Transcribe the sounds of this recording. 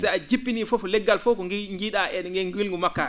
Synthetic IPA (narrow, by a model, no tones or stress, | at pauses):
sɛjad͡ʒipːinifɔfɔlɛɡːalfɔkɔŋɡiɗaʔɛɗŋɡɛŋɡilŋɡumakːa̰